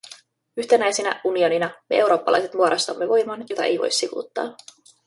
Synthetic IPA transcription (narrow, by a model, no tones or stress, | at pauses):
yçt̪enæjsenæ̰unio̞ninɑme̞̰e̞wɾo̞ːpːɑlɑ̰jse̞t̪muɑɾɑst̪ɑmːeʋo̞jmɑnjo̞t̪ɑʔe̞̰jʋo̞̰jsːikṵːt̪ːɑ̰ː